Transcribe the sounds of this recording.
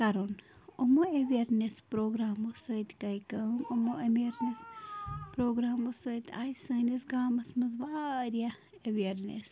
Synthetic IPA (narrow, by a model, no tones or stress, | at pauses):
kɐɾon | omoeʋiɐɾnespɾoːɡɾaːmosɐt̪kɐjkɐmomoʔɐmieɾnespɾoːɡɾaːmosət̪ʲaːjisɐːnesɡaːmɐsmɐzʋaːɾija | eʋiɐɾnḛs